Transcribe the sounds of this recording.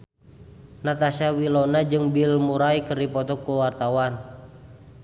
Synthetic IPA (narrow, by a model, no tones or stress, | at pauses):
nat̪asawilɔnad͡ʒɨŋbilmuɾaikərdipɔt̪ɔkuwart̪awan